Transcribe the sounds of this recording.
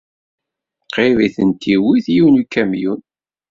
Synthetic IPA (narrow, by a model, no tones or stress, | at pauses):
qeviθənt̪ʰiwiθjunukːæmjun